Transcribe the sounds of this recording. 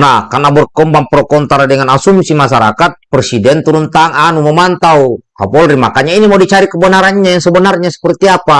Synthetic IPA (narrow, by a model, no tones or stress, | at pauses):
nahkanabərkɔmbaŋpɾɔkɔnt̪aɾadɛŋanasumsimas̬aɾa̰kat̪̚pɾɛsidɛnt̪uɾunt̪aŋanumɔmant̪aua̰pɔlɾimakaɲainimadit͡ʃaɾikəbənaɾaɲɲajaŋsəbənarɲasə̥pərt̪iapa